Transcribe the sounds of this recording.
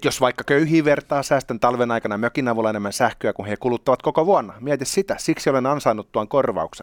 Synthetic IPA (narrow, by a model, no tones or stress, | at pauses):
josʋɑikːɑkøyhiːʋert̪ɑːsæːst̪ent̪ɑlʋenɑikɑnɑmøkinɑʋulːɑenemːænsæhkøækunhekulut̪ːɑʋɑt̪kokoʋuɑnːɑmiæt̪issit̪æsiksiolenɑnsɑinːut̪tuɑŋkorʋɑ̰ukse